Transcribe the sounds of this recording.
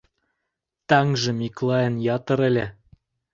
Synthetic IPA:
t̪ɑŋʒɤ̆miklˠɑjə̆njɑt̪ɤ̆ɾĕlʲĕ

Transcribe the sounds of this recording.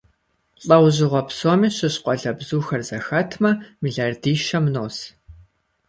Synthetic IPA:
ɬʼɐwʑɪʁʷɔpsoːmiːɕɪɕqʷɔɮɐbzuːxɐrzɐxɐtʰmɐmiɮaːrdiːʃɐmnoːs

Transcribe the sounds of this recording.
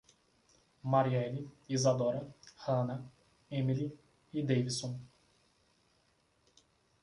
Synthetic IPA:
maɾiɛliizad̪ɔɾɐhɐ̃nɐ | emili | id̪ejvisõ

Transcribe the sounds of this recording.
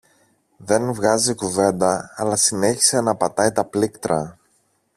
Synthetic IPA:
ðe̞nvɣɐzikuve̞nd̪ɐːlɐsine̞çi̥se̞nɐpɐt̪ɐit̪ɐplikt̪ɾɐ

